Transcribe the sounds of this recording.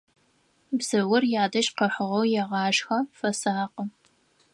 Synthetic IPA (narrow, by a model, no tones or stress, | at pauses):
bz̥ɨwʊrjaːdɐʃqɐħʷʊʁɐwjɛʁɑːʃxɐfɐsaːqə